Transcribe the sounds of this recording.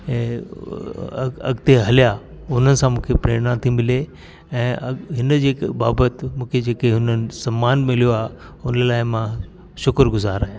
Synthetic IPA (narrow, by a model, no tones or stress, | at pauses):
ɐ̰ɡt̪eɦɐlija | ʊn̤ənɪ̆sãmũːkʰepɾḛːɽɽ̃ãt̪ʰĩmɪle | ɛ̃ːɦɪnd͡ʑeːbaːbət̪mũːkʰed͡ʑeːkeɦʊnənɪ̆sɐmːaːnmɪlijoaː | ʊnlaːɪmã | ʃʊkəɾɡʊzaːɾaːɦjã